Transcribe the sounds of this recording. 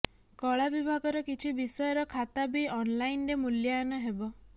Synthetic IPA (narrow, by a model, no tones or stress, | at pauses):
kɔɭabibʱaɡɔɾɔkit͡ʃʰibisɔjɔɾɔkʰat̪abiɔnlainɾemuljaɔnɔɦebɔ